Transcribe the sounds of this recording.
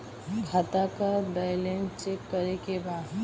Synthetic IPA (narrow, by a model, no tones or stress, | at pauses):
ɡʱat̪akabɛɪlẽŋt͡ʃekːəɾekebaːd̪